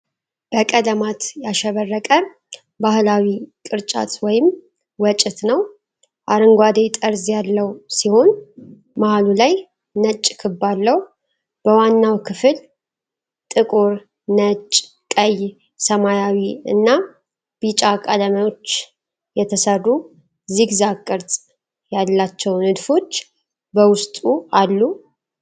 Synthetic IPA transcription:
b̥əkʼəd̪əmat̪jaʃɛβərːəkʼə | bahlawikʼɨɾt͡ʃʼa̰t̪wɔjɪm | wɔt͡ʃʼɪt̪nəw | ʔaɾɨŋɡʷad̪et̪ʼəɾzjalːəwsiho̞n | mahalulaj | nət͡ʃʼːkʰɨbːalːəw | b̥əwanːawkʰɨfɨl | t̪ʼɨkʼoɾ | nət͡ʃʼ | kʼəj | səmajawiɨ̰nːa | b̥it͡ʃʼakʼaləməjo̞t͡ʃː | jɛt̪ʰəsəru | ziɡzakʼːɨɾt̪ʼ | jalːat͡ʃːɛwnɨd̪fo̞t͡ʃː | bəwʊst̪ʼualːu

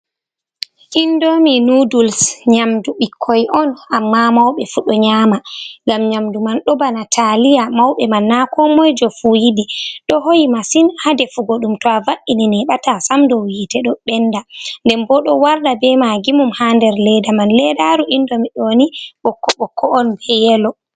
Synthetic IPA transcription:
ʔindominudulsɲamduɓikʰːɔjʔɔnamːamawɓɛfuɗɔɲaːmaŋɡamɲamdumanɗɔbanatʰalijamawɓɛmanːakɔmɔjd͡ʒɔfujidiɗɔhojimasinhadɛfuɡoɗumtɔavaʔininɛɓatasamdɔwwitɛɗɔɓɛndandɛmbɔɗɔwaɾɗabɛmaɡimumhandɛɾlɛdamanlɛdaɾuʔindomiɗoniɓɔkːɔɓɔkʰːɔːnbɛjɛlɔ

